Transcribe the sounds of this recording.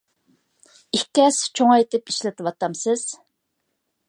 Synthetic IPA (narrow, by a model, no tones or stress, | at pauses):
ihkʲɛst͡ʃʰoŋɑjet̪ɪpiʃlɪt̪ʰɨwɑt̪ɑmsɨz̥